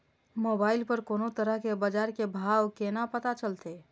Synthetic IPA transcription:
mobailpəɾkonot̪əɾəɦkebəd͡ʒaɾkebʱawkenapət̪at͡ʃəlt̪ʰe

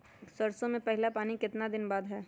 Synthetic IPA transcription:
sɐɾsõmẽpɛɦɪlapaːnikɪt̪nad̪ɪnbaːd̪ɦɛː

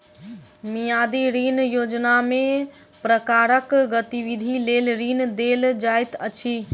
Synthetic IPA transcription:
mijad̪iɾinjod͡ʒnamẽ | pɾəkaɾəkɡət̪iʋid̪ʱileːlɾind̪eld͡ʒajt̪ət͡ʃʰi

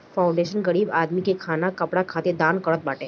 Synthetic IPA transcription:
faw̃ɳɖeɕənɡəɽiːbad̪mikekʰanakəpɽakʰat̪ed̪ankəɭət̪̚ʋaʈe

